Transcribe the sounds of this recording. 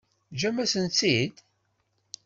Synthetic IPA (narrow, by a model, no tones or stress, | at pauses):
d͡ʒæmæsənt͡sːid̪